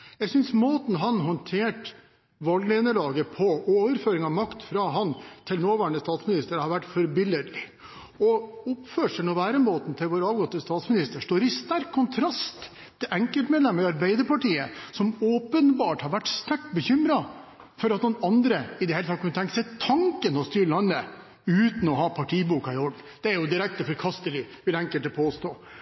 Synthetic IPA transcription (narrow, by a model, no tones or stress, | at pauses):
jæɪsʏnsmoːt̪n̩ɦɑnɦɔnt̪ʰeːʈ | ʋɑlɡleːnəlɑːɡəpʰɔoːʋəɾføːɾɪŋɑʋmɑkt̪fɾɑɦɑnt̪ʰɪlnoːʋæːɾəɳəst̪ɑːt̪smɪnɪst̪əɾhɑɾʋæʈːfɔɾbɪlːəɾɪ | ɔʊpføːʂənɔʋæːɾəmoːt̪n̩t̪ʰɪlʋoːɾɑːʋɡɔt̪ːəst̪ɑːt̪smɪnɪst̪əʂʈ̪oːɾɪst̪æɾkʰːʊnt̪ʰɾɑst̪ʰː | ɪlʔɛŋkəlt̪meːd̪lɛmːəɾɑɾbæɪd̪əɾpɑʈiːəsɔmoːpənbɑːʈhɑɾʋæʈːst̪ækʈbəçʏmɾɑ | fɔɾɑt̪nʊnɑnd̪ɾəɪd̪ɛheːlət̪ɑt̪kʰːnt̪ɛŋkəsɛt̪ʰːɑŋkənɔst̪yːɾəlɑnːə | ʉːt̪n̩ɔɦɑːpʰɑʈʰiːbuːkɑɪɔɖn̩d̪̥ɛæɾjʊd̪ɪɾɛk̚t̪əfɔɾkʰɑst̪əlɪʋɪlɛŋkəlt̪əpʰoːst̪oː